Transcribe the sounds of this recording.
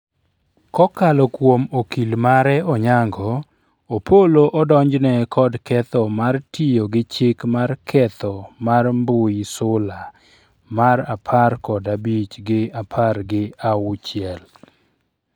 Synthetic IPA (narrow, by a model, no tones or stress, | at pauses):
kɔkalɔkwomokilmaɾɛɔɲaŋɡɔ | opʰoloʔɔdɔɲd͡ʒnɛkʰɔdkɛt̪ɔmartijoɡɪt͡ʃɪkmarkʰɛt̪ɔmarmbʊjsʊla | maɾapʰarkɔdabit͡ʃɡɪapʰarɡɪaʊt͡ʃɪɛl